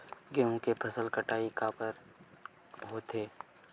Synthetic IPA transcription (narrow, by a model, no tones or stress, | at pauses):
ɡeɦũkepʰəsəlkəʈaːikaːpəɾ | ɦot̪ʰeː